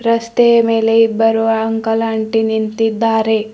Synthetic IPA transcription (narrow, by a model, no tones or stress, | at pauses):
ɾɐst̪ejɐmeːleibːɐɾuʋɐɐŋkɐlaɳʈinint̪id̪ːaːɾe̞